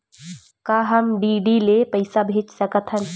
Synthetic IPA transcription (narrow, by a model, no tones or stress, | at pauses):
kaːɦəmɖiːɖilepəɪsabʱeːt͡ʃsəkət̪ʰɦən